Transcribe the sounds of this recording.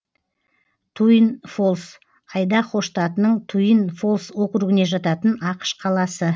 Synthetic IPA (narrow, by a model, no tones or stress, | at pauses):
t̪ʰujənfo̞lˠs | qʰɑjd̪ɑqo̞ʃt̪ɑt̪ənəɴt̪ʰujənfo̞lˠswo̞qəɾuɡʲɪne̞ʒɑt̪ɑt̪ənɑqə̥ʃqʰɑlˠɑsə